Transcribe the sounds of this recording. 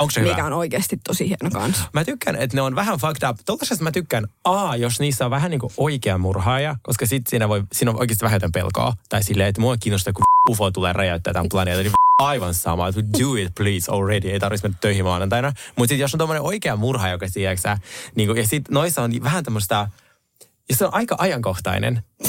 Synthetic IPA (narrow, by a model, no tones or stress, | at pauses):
oksemikæonoikeːst̪it̪t̪osihienokɑ̰nsmæt̪ykːænet̪neonʋæɦænfɑkt̪ɑpt̪olːɑsest̪mæt̪ykːænɑːjosniːsːæoʋʋæɦæniːŋkuʔoikeɑmurɦɑːjɑkoskɑsit̪siːnæʋoisiːnoʔo̰ikest̪iʋæhæjot̪empḛlko̰ːt̪ɑisilːeːet̪muɑkiːnːost̪ɑkuufot̪uleːrɑjɑt̪ːæ̰ːt̪æmplɑneːt̪ɑniɑiʋɑnsɑ̰mɑ̰et̪duːɪt̪pliːso̰lɹediejt̪ɑrʋismenːæt̪ːøihiʋɑːnɑnt̪ɑinɑmut̪sit̪josːont̪omːoneʔoikeɑmurhɑjokɑsiæksæniːŋkujɑsit̪noisːɑonʋæɦænt̪omːost̪ɑ | jɑseonʔɑikɑʔɑjɑŋkoht̪ɑ̰inḛn